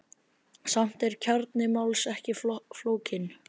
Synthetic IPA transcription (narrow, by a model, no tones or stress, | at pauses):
sam̥t̪ɛɾ̥cʰaɾt̪nɪmawlsɛhcɪfloːwcɪn